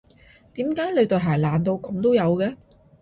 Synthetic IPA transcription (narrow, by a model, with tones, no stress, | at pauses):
t̪iː˨˥mkaː˨˥jle˨˧t̪ɵ˨˧ɦaː˨˩jlaː˨˩nt̪o˧wkɐ˨˧mt̪o˥wjɐ˨˧wkɛː˧